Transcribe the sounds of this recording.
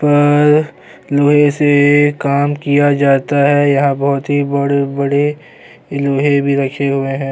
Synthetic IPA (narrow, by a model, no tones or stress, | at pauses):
pɐɾ | loːɦẽsekaːmkijad͡ʒaːt̪aɦɛjɐɦãbɐɦt̪ɦibɐɽebɐɽe | loːɦẽbʱiɾɐkʰeɦʊeɦɛ̃ː